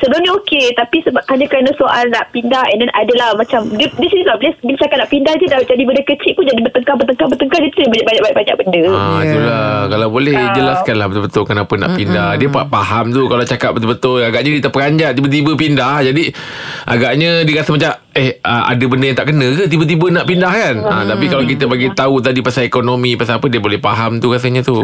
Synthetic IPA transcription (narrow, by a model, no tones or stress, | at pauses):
səbəlumɲaoket̪apisəbaphaɲãkɾanasoʔalnaʔpindahɛndɛnʔadəlahmãt͡ʃamdiədisinisəbabilasbilat͡ʃakat̚naʔpindahd͡ʒədad͡ʒadibəndəkət͡ʃiʔ̚pʊnd͡ʒadibət̪əŋkabət̪əŋkabət̪əŋkadiət̪ubəɲaʔbaɲaʔbaʔbaɲa̰ʔ̚bəndəat̪ulakalawbolɛhd͡ʒəlaskanlahbət̪obət̪ʊlkənapəna̰ʔpindahdiəpapaɦamt̪ukalat͡ʃakap̚bət̪ubət̪ʊlaɡaʔɲadiət̪əpəkaɲd͡ʒaʔt̪ibət̪ibəpindahd͡ʒadi | ʔa̰ɡaʔɲə̃diəɾast̪əmat͡ʃam | ɛhəʔa̰dəbəndəjaŋt̪aʔkənə̃kət̪̬ibət̪̬ibənaʔpindahkanã̰t̪apikalawkit̪əbaɡit̪aut̪adipasaekonomĩpasapədiəbolɛhpaɦamt̪ukas̬əɲə̃t̪u